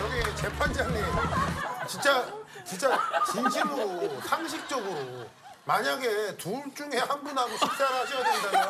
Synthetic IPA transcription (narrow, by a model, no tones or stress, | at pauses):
jʌɡiet͡ɕe̞pʰand͡ʑanːeot͡ɕint͡ɕ͈at͡ɕint͡ɕ͈at͡ɕinɕʰimɯɾsʰaŋɕʰik̚t͡ɕ͈ʌɡɯɾo | maɲaɡe̞tuɭt͡ɕ͈uŋe̞hanbunɦaɡoɕʰik̚t͡ɕ͈aɾaɕʰʌjadenda